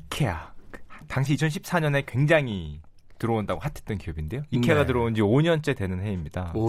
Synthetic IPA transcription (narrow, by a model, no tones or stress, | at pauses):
ikʰe̞ja̰taŋɕʰit͡ɕʰʌnɕʰip̚s͈aɲʌne̞kwe̞ŋd͡ʑaŋi | tɯɾʌondaɡohatʰe̥t͈ʌnkijʌbinde̞joikʰeɡatɯɾʌond͡ʑioɲʌnt͡ɕ͈e̞dwe̞nɯnɦe̞imɲida